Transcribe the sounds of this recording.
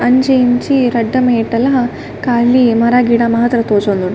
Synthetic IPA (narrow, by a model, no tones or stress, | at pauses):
ɐɲd͡ʒɐjint͡ʃiɾɐɖːɐmeːʈɐlɐɦɐ | kaːlimɐɾaːɡiːɽamɐɦɐt̪ɾɐt̪oːd͡ʒond̪un